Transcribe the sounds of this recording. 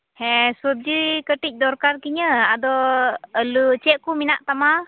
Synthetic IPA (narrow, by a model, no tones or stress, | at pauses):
hɛ̃suəp̚d͡ʒikəʈic̚d̪ɔɾkaɾkiɲəad̪ɔəlut͡ʃɛʔkuminaʔt̪ama